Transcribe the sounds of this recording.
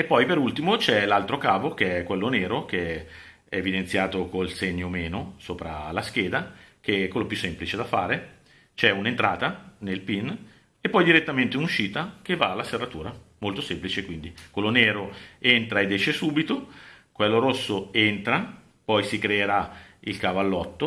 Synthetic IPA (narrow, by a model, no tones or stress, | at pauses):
epːɔjpeɾult̪imot͡ʃɛlalt̪ɾokaːvokeɛkːwelːoneːɾokeɛ | ɛːvid̪ent̪sjaːt̪okolseɲːomeːnosoːpɾa̰lask̟eːd̪ak̟ekːwelːopjusːemplit͡ʃed̪afa̰ːɾe | t͡ʃɛunent̪ɾaːt̪anelpin | epːɔjd̪iɾet̪ːament̪eunuʃːiːt̪akevːaːlːaserːat̪uːɾamolt̪osemplit͡ʃekwind̪ikwelːoneːɾoent̪ɾaed̪ːɛʃːesuːbit̪okwelːoɾosːoent̪ɾa | pɔjsikɾeːɾailkavalːɔt̪ːo